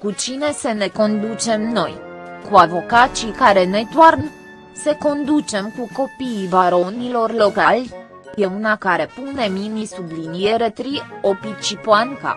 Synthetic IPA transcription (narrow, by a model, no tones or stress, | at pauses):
kut͡ʃine̞sene̞ko̞nd̪ut͡ʃe̞mno̞jkuavo̞kat͡ʃikaɾe̞ne̞d̪warn | seko̞nd̪ut͡ʃe̞mkuko̞piːvaɾo̞nilo̞rlo̞kalʲ | je̞unakaɾe̞pune̞mimisublinie̞ɾe̞t̪ɾio̞pit͡ʃipoaŋka̰